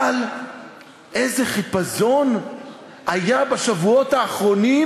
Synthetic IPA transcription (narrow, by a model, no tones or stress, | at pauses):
l | ʔe̞jzeχipazo̞n | ajabaʃavuo̞thaːχʁo̞ni